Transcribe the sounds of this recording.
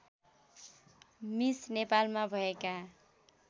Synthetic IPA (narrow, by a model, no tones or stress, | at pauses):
misnepalmabʱʌeka